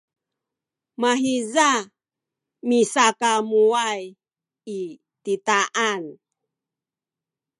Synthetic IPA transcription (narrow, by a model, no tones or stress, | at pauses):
maɦiza | misakamuaj | i | titaʔan